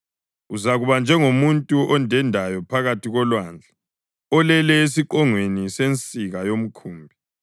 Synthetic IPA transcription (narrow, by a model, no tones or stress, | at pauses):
uzaɣuβand͡ʒʱɛŋomuntʼuʔɔndʱɛndʱajɔpʰaɣatʰiɣɔlwaːnd͡ɮʱa | ɔlɛlɛes̬iǃɔŋwenisent͡sʼiɣajom̩kʰuːmbʱi